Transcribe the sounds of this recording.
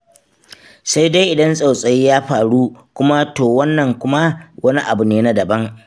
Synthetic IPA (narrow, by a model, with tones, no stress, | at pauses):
sa˦jda˦jʔɪ˨dɐ˦nsʼa˨wsʼɐ˨jiː˦jaː˦ɸaː˨ɽu˦kʷʊ˦ma˦toː˨wɐ˦nːɐ˨ŋkʷʊ˦ma˦wʔɐ˦ni˦ʔa˨bu˨neː˦na˦dɐ˨bɐ˦ŋ